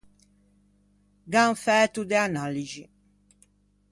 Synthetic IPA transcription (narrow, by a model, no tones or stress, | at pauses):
ɡanfɛːt̪ud̪eanalid͡ʒi